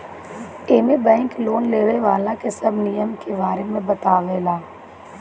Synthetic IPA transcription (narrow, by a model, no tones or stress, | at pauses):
eːmebɛ̃ːŋkloːnleːɾeʋaːlakesɐbnijəmkebaːɾemẽbət̪aːʋeːlaː